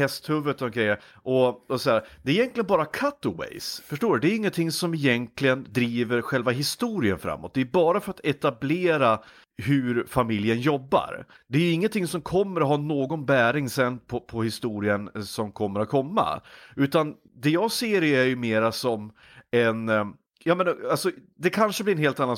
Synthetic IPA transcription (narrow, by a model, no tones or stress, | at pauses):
hɛst̪hɵvət̪ɔɔnkʰɾɛjːəɾ | ʔɔɔsɔhæːɾd̪ɛæɾɪjɛnklɪɡənbɑːɾakʰat̪ɔwḛjsfœʂʈoːɖɵd̪ɛæːɾʏɪŋːənt̪ʰɪŋːsɔmɪjɛnt̪lɪɡənd̪ɾiːvəɾɧɛlvaɦɪst̪uːɾɪənfɾa̰mːɔ̰t̪̚d̪ɛæɾbɑːɾafœɾat̪ɛt̪ableːɾa | hɵɾfamɪljənjɔbːa̰ɾ | d̪ɛæjɵɪŋːənt̪ʰɪŋːsɔmkʰɔmːəɾɔɦɑːnoːɡɔnbæːɾɪŋsɛnpʰɔpʰɔhɪst̪uːɾɪənsɔmkʰɔmːəɾat̪̚kʰɔmːa̰ʉ̟ːt̪an | d̪ɛjɑːɡseːɾæɾjɵmeːɾasɔm | ɛn | jɑːmɛnalsɔd̪ɛkʰanʂəbliɛnɦeːlt̪anːan